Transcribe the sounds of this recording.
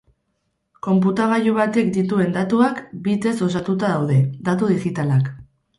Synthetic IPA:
ko̞mp̬ut̪aɣ̞aʎuβ̞at̪e̞k̚d̪it̪ue̞nd̪at̪uakbit̪e̞so̞sat̪ut̪aðawð̞e̞d̪at̪uðiɣit̪alak

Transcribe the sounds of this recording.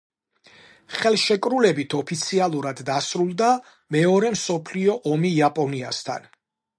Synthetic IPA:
χɛlˠʃɛkʼɾulɛbit̪ʰɔpʰit̪sʰialˠuɾad̪ːasɾulˠd̪a | mɛɔɾɛmsɔpʰliɔʔɔmiːapʼɔniast̪ʰa̰n

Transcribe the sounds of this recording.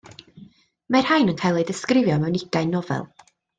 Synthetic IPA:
mar̥hajnənkʰajlˠejdɪskrɪvjɔmɛwnɪɡ̥aɨnɔvɛ̰lˠ

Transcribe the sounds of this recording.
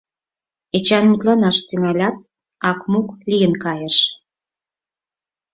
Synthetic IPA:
et͡ɕɑnmut̪lɑnɑʃt̪yŋælʲɑt̪̚ | ɑkmuklʲijənkɑjəʃ

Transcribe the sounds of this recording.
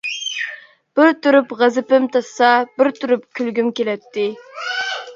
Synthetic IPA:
b̥ɪɾt̪uɾypʁæzɪpɪmt̪ʰɑsːɑbɪɾt̪ʰyɾyp̚kʲʰylɡʲymkʲelɛt̪ʰːɪ

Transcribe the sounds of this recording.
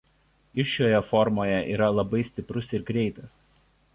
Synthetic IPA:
ɪʃʲoːjɛfɔɾmoːjɛʔiːɾɐlˠɐbɐɪsʲt̪ʲɪpɾʊsɪɾɡɾʲɛɪt̪ɐs

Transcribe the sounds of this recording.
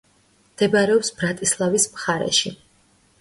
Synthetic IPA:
md̪̥ɛbaɾɛɔpsbɾat̪ʼislˠavismχaɾɛ̰ʃi

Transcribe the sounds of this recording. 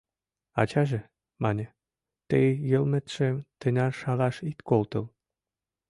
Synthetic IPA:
ɑt͡ɕɑʒĕ | mɑnʲə̆ | t̪ejjəlmĕt̪ʃĕt̪ĕnʲɑrʃɑlɑʃit̪kolt̪ɤ̆l

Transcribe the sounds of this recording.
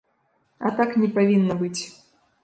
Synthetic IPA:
ɐ̰t̪aknʲɛpavʲinːɐbɨt͡sʲ

